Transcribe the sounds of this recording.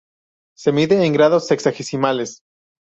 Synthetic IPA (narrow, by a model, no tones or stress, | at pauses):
se̞miðeːŋɡɾaðo̞seksaxesimale̞s